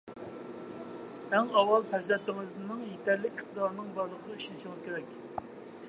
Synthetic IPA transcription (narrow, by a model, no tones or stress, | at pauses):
æŋɑwɑlˠpʰɛzɛt̪ːɪŋɨznɨŋjet̪ʰɛɾlːɪkʲɪχt̪ʰəd̪ɑɾnɨŋbɑɾlˠəqʰəyʃynɪʃiŋɨz̥kʲʰeɾɛkʲ